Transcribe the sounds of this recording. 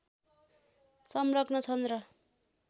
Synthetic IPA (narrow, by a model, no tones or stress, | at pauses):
sʌmrʌknʌt͡sʰʌnrʌ